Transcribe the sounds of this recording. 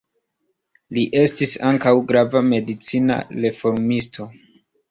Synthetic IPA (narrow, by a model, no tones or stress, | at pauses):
liʔe̞stisaŋkawɡɾavame̞dit͡sina̰ɾe̞fo̞ɾmistʰo̞